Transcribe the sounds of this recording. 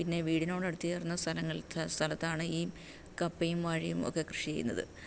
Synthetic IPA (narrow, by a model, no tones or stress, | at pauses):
pinːe̞ʋiːɽino̞ːɽɐɽut̪ːijerunːɐst̪ʰɐlɐŋːɐɭt̪ʰst̪ʰɐlɐt̪ːaːɳɨiː | kɐpːeɐjumʋaːɻɐjumo̰kːe̞krɨʂijɐ̰junːɐ̰ðɨ̰